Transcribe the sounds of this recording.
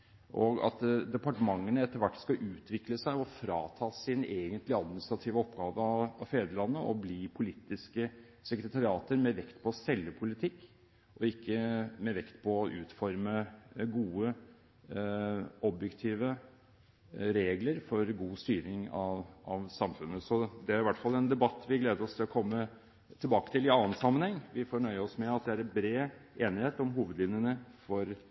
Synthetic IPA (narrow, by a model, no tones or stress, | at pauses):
ʔɔɡɑ̰t̪d̪ɛpɑʈəmɑŋːənəɛt̪ːəɾʋæʈːskɑʔʉːt̪ʰʋɪkləsæɪɔfɾɑːt̪ʰɑːsɪneːɡənt̪lɪɑd̪̚mɪnɪst̪ɾɑt̪ʰiːʋəɔpɡɑːʋəɑɑfeːd̪əlɑnːəʔɔbliːpʰʊlɪt̪ːɪskə | sɛkɾət̪ʰɑɾɪɑːt̪əɾmɛʋɛkt̪pʰɔsɛlːəpʰʊlɪt̪ʰɪkː | ʔɔɪkːəmɛʋɛkt̪pʰɔɔʔʉːt̪fɔɾməɡuːə | ɔbjɛkt̪ʰiːʋə | ɾeːɡləɾfɔɾɡuːst̪yːɾɪŋɑʋʔɑʋsɑmfʉnːəsɔd̪ɛæɾɪʋæʈːfɑlːɛnd̪ɛbɑt̪ːʋɪɡleːd̪əɾɔst̪ʰɪlɔkʰɔmːə | t̪ʰɪlbɑːkət̪ɪlɪɑːənsɑmːənhɛŋːʋɪfɔɳœʏəɔsmɛɑt̪̚d̪ɛæɾɛnbɾeːeːnɪheːt̪ɔmɦuːʋəd̪lɪʋnjənəfɔɾ